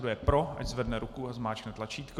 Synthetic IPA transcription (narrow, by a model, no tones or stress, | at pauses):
dujɛpɾoʔa̰czvɛdnɛɾukuazmaːt͡ʃknɛt̪lat͡ʃiːt̪k